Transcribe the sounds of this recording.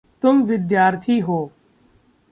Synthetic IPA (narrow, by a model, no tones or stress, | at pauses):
t̪ʊmʋɪd̪jaːɾt̪ʰiːɦoː